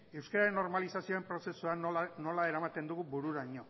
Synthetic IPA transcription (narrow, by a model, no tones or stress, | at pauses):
e̞wskaɾaɾenːo̞ɾmalisasioempɾo̞se̞suano̞lae̞ɾamat̪e̞nd̪uɣubuɾuɾaɲo̞